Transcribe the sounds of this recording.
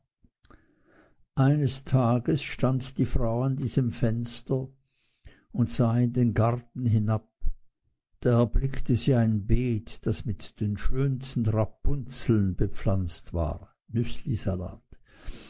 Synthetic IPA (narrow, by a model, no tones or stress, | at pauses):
ʔaɪnəstʰaːɡəsʃtandd̥iːfʁaʊandiːzəmfɛnstɐ | ʊntz̥aːɪndeːnɡaʁtn̩ɦɪnap̚ | d̥aːɛɐblɪktəziːaɪnbeːtd̥asmɪtd̥eːnʃøːnstn̩ʁapːʊnt͡sl̩nbəp͡flant͡stv̥a̰ː | nʏslizala̰ːt